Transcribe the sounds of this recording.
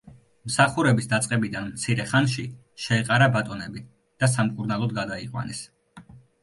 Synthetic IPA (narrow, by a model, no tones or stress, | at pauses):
msaχuɾɛbisd̪at̪sʼqʼɛbid̪anmt̪sʰiɾɛχanʃi | ʃɛɛqʼaɾabat̪ʼɔnɛbi | d̪̥as̬amkʼuɾnalˠɔd̪̚ɡad̪aiqʼwa̰nɛs